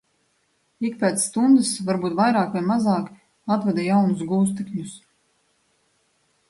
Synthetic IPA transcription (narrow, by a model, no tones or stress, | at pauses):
ik̚pɛːt̪ssːt̪und̪ɨsvaɾbuːt̪vajɾaːkvajmazɑːk | at̪vɛd̪ajawnusɡuːs̬t̪ikɲus